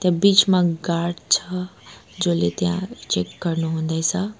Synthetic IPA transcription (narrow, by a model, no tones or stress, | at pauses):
t̪jãbit͡smãɡaɾɖt͡sʰʌd͡zolet̪jã̰t͡ʃekːəɾnuɦũnd̪əjt͡sʰʌ